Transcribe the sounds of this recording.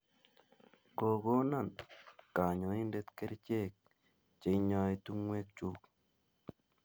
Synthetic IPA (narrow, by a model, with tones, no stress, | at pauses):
ko˨ɡo˦na˦˨nka˨ɲɔ˨i˦nde˦t̪ke˦ɾt͡ʃe˦˨k̚ | t͡ʃe˨˦ɲɔ˦i˦t̪u˦ŋwe˦k̚t͡ʃu˦k